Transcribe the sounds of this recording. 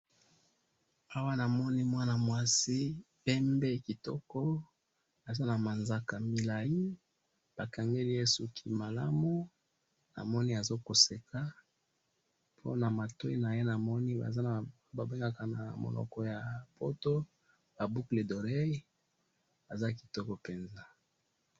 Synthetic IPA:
a˦wa˦na˨mɔ˦ni˦mwa˦na˨mwa˦si˦ | pɛ˦mbe˦ki˨tɔ̰˦kɔ˦ | a˨za˦na˨ma˨nza˨ka˨mi˨la˨ji˦ | b̥a˨ka˨ŋɡe˦li˦je˦su˨kʰi˦ma˨la̰˦mu˦ | na̰˨mɔ˦ni˦a˨zo˦ko˨se˨kʰa˦ | pʰo̰˦na˨ma˨to˦i˦na˨je˦na˨mɔ˦ni˦ba̰˨za˦n˨ | ba˨be˦ŋɡa˦ka˨na˨mo̰˨nɔ̰˨kɔ˦ja˨po̰˦to˦ | b̥a˨bu˦kle˨do˨ʁe˦ | a˨za˦ki̥˨tɔ˦kɔ˦pe˨nza˦

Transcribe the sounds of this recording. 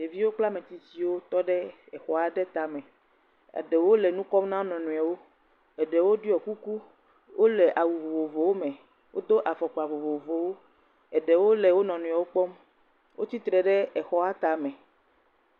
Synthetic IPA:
je˨vi˦wo˦k͡pla˦mẽ˨t̪i˨si˦wo˦t̪ɔ˦ɖɛ˦ | ɛ˨xɔ˨a˨ɖɛ˦t̪a˨mɛ̃˨ | a̰˨ɖɛ˨wo˦lɛ˨nũ˦kɔ˦mnã˦wo˦nɔ̃˨nũ˨a˨wo˦ | ɛ˨ɖɛ˨wo˦ɖi˦ɔ˨ku˦ku˦ | wʔo˦lɛ˨ʔa˨wu˨vo˨vo˨vo˨wo˦mẽ˨ | wo˦d̪o˦ʔa˨fɔ˨k͡pɔ˨a˨vo˨vo˨o˨vo˨wo˦ | ɛ˨ɖɛ˨wo˦lɛ˨wo˦nɔ̃˨nũ˨a˨wo˦k͡pɔ˦m | wʔo˦t̪i˦t̪ɾɛ˨ɖɛ˦ɛ˨xɔ˦a˦t̪a˨mɛ̃˨

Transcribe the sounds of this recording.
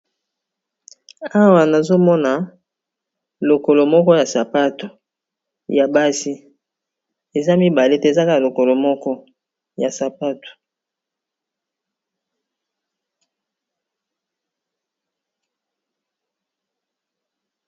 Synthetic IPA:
a˦wa˨na˨zo˦mɔ˦na˨ | lo˨ko˨lo˨mɔ˦kɔ˦ja˨sa˨pa˦to˨ | ja˨ba˦si˦ | e˨za˦mi˦ba˨le˦te˦e˨za˦ka˦a˨lo˨ko˨lo˨mɔ˦kɔ˦ | ja˨sa˨pa˦to̥˨

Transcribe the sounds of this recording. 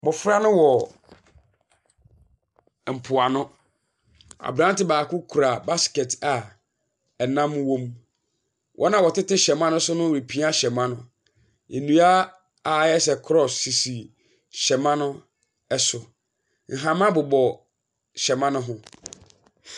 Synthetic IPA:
mʊ̃˨fɾa˦nʊ̃˦wɔ˨ | m̩˨pʰʊ˨a˨nʊ̃˦ | a̰˨bɾã˦n˦tɪ˦baː˨kʊ˦kʰu˨ɾa˨ba˦skɛ˨tʰa˨ | ɛ˨nã˦mwõ˦m | wʔɔ̰˦nã˨wɔ˨tɪ˦tɪ˦ɕɛ˨mã˦nʊ̃˦sʊ˦nʊ̃˦˨i˨pʰi˦a˦ɕɛ˨mã˦nʊ̃˦ | e˨nũ˨a˦ | a˨jɛ˦sɛ˨kʰɾɔ˨sːi˨si˨ | ɕɛ˨mã˦nʊ̃˦ | ɛ˦sʊ˨ | ŋ̩˨ɦã˨mã˦bʊ˨bɔ˨ | ɕɛ˨mã˦nʊ̃˦ɦʊ̃˦

